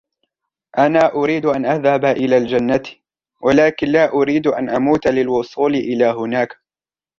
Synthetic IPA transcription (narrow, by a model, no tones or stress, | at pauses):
ʔanaːʔʊɾiːd̪ʔanʔaðhabʔɪlaːld͡ʒanːat̪ | walaːkɪnlaːʔʊɾiːd̪ʔa̰nʔamuːt̪lɪlwʊsˤuːlɪʔɪlaːɦʊnaːk